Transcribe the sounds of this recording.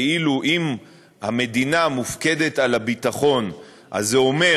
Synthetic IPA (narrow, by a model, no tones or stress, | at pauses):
iluʔim | hame̞d̪inamufke̞de̞talabitaχo̞n | ʔa̰zːeo̞me̞